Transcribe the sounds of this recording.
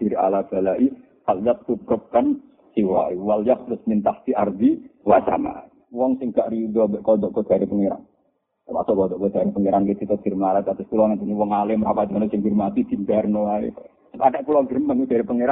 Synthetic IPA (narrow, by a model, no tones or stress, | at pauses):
d̥iɾia̰lab̥alaʔi | haljat̪̚ːubəp̚kan | siwa̰iwaljat̪̚t̪ɾʊsmint̪aht̪iard̪iwasa̰ma̰ | wɔŋsɪŋɡaʔɾidɔbɛʔkɔd̪ɔʔkɔd̥aɾipəŋeɾa̰ŋ | t̪ama̰sɔʔkɔd̪ɔʔkɔd̥aɾipəŋeɾaŋkit̪it̪ɔɡ̥irmalak̪at̪ʊskulɔŋant̪uniwɔŋalɪməɾapad̪anɔsɪŋɡirmat̪id̪̥i̤mbɛrnoaḭ | skadaʔkulɔŋɡirmanud̥aɾipəŋeɾa